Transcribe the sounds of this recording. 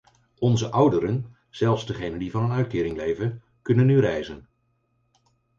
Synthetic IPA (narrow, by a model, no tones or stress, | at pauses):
ɔnzəʔʌwdəɾən | z̥ɛlˠfszdəχejnəndivɑnɦənœɥt̚kɪːɾɪŋlejvən | kɵnənːyrɛjzən